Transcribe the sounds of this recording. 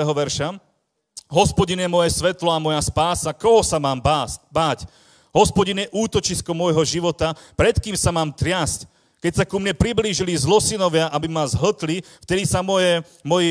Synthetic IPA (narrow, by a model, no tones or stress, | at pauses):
ɛɦɔʋɛɾʃa | ɦɔspɔɟinjɛmɔjɛsʋɛt̪lɔamɔjaspaːsakɔɦɔsamaːmbabaːc | ɦɔspɔɟinjɛʔuːt̪ɔt͡ʃiskɔmɔjɦɔʒiʋɔt̪apɾɛt̪kiːmsamaːmt̪ɾɪasc | kɛcsakumɲɛpɾibliːʒilizlɔsinɔʋɪaʔabimazɦ̩t̪lift̪ɛd̪isamɔjɛ | mɔji